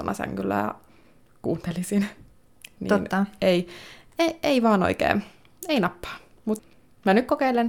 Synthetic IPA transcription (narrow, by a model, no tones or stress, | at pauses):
o̰nɑ̰sæ̰ŋkylːæ̰jɑ̰ | kṵːnt̪elisin | nḭonːɑeieeiʋɑːno̰ikḛːn | einɑpːɑ̥ː | mut̪ | mænykkokeilen